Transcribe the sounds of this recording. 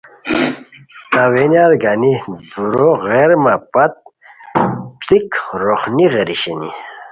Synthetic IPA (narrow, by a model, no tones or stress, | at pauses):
t̪awenaɾɡanid̪uɾoɣeɾmapat̪̚ | pt͡sikɾoχniʁeɾiɕenḭ